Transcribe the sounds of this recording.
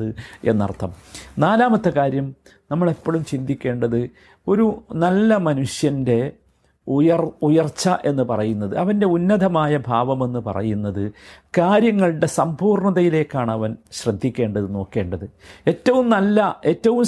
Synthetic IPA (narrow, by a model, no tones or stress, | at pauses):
ɨe̞̰nːɐ̰rt̪ʰːɐmnaːlaːmɐt̪ːɐkaːɾjɐm | nɐmːɐɭe̞pːoɭumt͡ɕind̪ikʲːe̞ːɳɖɐðɨ | o̞ɾunɐlːɐmɐnuʂjɐnde̞ | jɐrujɐrt͡ɕːɐʔe̞nːɨpɐrɐjunːɐðɨɐʋɐnde̞unːɐd̪ʱɐmaːjɐbʱaːʋɐme̞nːɨpɐ̰rɐ̰junːɐðɨkaːɾjɐŋːɐɭɽe̞sɐmpuːrɳɐðɐjile̞ːkːaːɳɐʋɐnɕrɐd̪ʱːikʲːe̞ːɳɖɐðɨno̞ːkːe̞ːɳɖɐðɨe̞tːɐʋumnɐlːɐe̞tːɐʋum